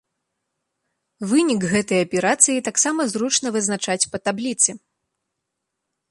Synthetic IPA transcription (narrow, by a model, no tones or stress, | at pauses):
vɨnʲikɣɛt̪ɐjɐpʲɛɾat̪sɨjit̪aksamɐzɾut͡ʂn̪ɐvɨznat͡ʂat͡sʲpɐt̪ablʲit̪sɨ